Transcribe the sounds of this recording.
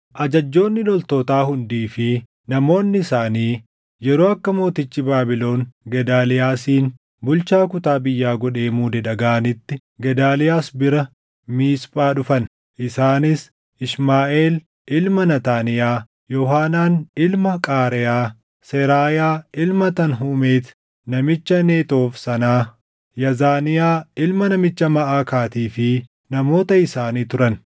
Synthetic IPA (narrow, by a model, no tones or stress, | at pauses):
ʔɐd͡ʒɐd͡ʒːo̞ːnːɪlɔlt̪oːt̪aːɦʊnd̪iːfɪ | nɐmo̞ːnːɪɪsaːniː | jɛɾoːɐkːɐmo̞ːt̪ɪt͡ʃːɪbaːbɪlo̞ːnɡɛd̪aːlɪjaːsiːn | bʊlt͡ʃaːkʊt̪aːbɪjːaːɡɔᶑe̞ːmuːd̪ɛᶑɐɡaːɐnɪt̪ːɪ | ɡɛd̪aːlɪjaːsbɪɾɐ | miːspʼaːᶑʊfɐn | ʔɪsaːnɪs | ɪʃmaːʔe̞ːl | ʔɪlmɐnɐt̪aːnɪjaː | jɔɦaːnaːnɪlmɐkʼaːɾɛjaː | sɛɾaːjaːɪlmɐt̪ɐnɦumeːt̪ | nɐmɪt͡ʃːɐneːt̪o̞ːfsɐnaː | jɐzaːnɪjaːɪlmɐnɐmɪt͡ʃːɐmɐʔaːkaːt̪iːfɪ | nɐmo̞ːt̪ɐɪsaːniːt̪ʊɾɐn